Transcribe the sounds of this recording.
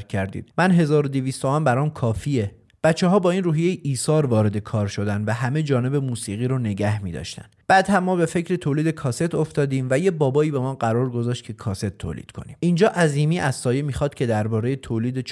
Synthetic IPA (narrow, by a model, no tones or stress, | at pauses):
cʰæɾd̪ḭːd̪̥mænɦe̞zɒːɾod̪eviːst̪ʰoɒmbæɾɒːmkʰɒːfie | b̥æt̪t͡ʃːeɦɒːbɒːiːnruːɦije̞jiʔiːsɒːɾvɒːɾe̞d̪e̞kʰɒːɾʃo̞d̪ænd̪væɦæme̞d͡ʒɒːne̞be̞muːsiːɣiːɾʊne̞ɟæhmiːd̪ɒ̰ʃt̪æ̰nb̥æːd̪hæmːɒːbe̞fe̞cʰɾet̪ʰoːliːd̪e̞kʰɒːse̞t̪ʰo̞ft̪ɒːd̪iːmvæje̞bɒːbɒːiːbemɒːɢæɾɒːɾɡo̞zɒːʃt̪̚cʰe̞kʰɒːse̞t̪ʰːo̰ːlḭːd̪̥kʰo̞̰nḭːmind͡ʒɒːʔæziːmiːʔæzsɒːje̞miːxɒːd̪̥cʰe̞d̪æɾbɒːɾe̞jet̪ʰoːliːd̪et͡ʃ